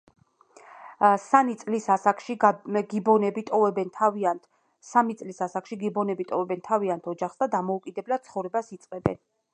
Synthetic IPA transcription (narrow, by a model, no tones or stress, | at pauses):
sanit̪sʼlisasakʃiɡibɔnɛbit̪ʼɔɛbɛnt̪ʰaa | samit̪sʼlisasakʃiɡibɔnɛbit̪ʼɔvɛbɛnt̪ʰaviant̪ʰɔd͡ʒaχsd̪ad̪amɔukʼid̪ɛblad̪̥̚sʰχɔvɾɛbasit̪sʼqʼɛbɛ̰n